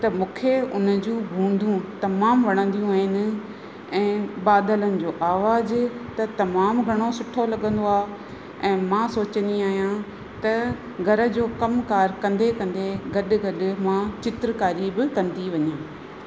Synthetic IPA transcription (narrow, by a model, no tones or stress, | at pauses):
t̪ɐmũːkʰeʊnəd͡ʑũbʱũːn̆d̪ʱũt̪ɐmaːmʋɐɽ̃ə̃nd̪ijũaːɦɪnɪ̆ | ɛ̃ːbaːd̪ələnɪ̆d͡ʑoːʔaːʋaːzt̪ɐt̪ɐmaːmɡʱɐɽ̃osʊʈʰolɐɠə̃nd̪oaː | ɛ̃ːmãsoːt͡ɕə̃nd̪iaːɦijã | t̪ɐ | ɡʱɐɾə̆d͡ʑoːkɐmkaːɾkɐ̃nd̪ekɐ̃nd̪eɡɐɗ̆ɡɐɗ̆mãt͡ɕɪt̪ɾəkaːɾibɪkɐ̃nd̪iʋɐɲãː